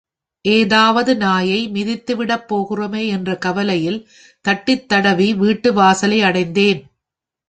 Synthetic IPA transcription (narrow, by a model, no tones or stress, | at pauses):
ʔeːðaːʋɐðɯnaːjɐɪmɪðɪt̪ːɯʋɪɽɐpːoːɣɯrɐmeːɛndrɐkɐʋɐlɐjɪl | t̪ɐʈːɪt̪ːɐɽɐʋiʋiːʈːɯʋaːsɐlɐɪɐɽɐɪnd̪eːn